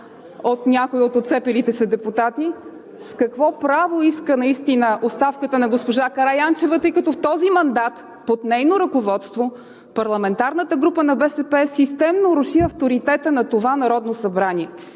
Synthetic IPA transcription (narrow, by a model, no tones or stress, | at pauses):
ot̪nʲakoiot̪ot̪sɛpilit̪ɛsɐd̪ɛput̪at̪i | skɐkvɔpɾavoiskənɐist̪inəʔost̪afkət̪ənɐɡospoʒakɐɾajant͡ʃɛvət̪ɤjkɐt̪ɔft̪ɔzimɐnd̪at̪ | pot̪nɛjnoɾɐkovɔt̪st̪vo | pɐɾlˠɐmɛnt̪aɾnət̪əɡɾupənɐbɛsɛpɛsist̪ɛmnoɾʊʃiɐft̪oɾit̪ɛt̪ənɐt̪ovanɐɾɔd̪nosɐbɾanʲiɛ